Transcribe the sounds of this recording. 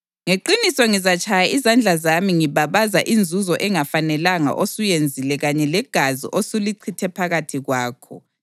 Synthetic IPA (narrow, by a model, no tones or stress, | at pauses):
ŋeǃinisɔŋizat͡ʃʰʼajaʔizand͡ɮʱazamiŋiβaβaza̰ʔind͡zʱuzɔʔɛŋafanɛlaŋa̰ʔosujend͡zʱilɛɣaɲɛlɛɡ̥ʱazḭʔosuliǀʰitʰɛpʰaɣatʰiɣwaːkʰɔ̰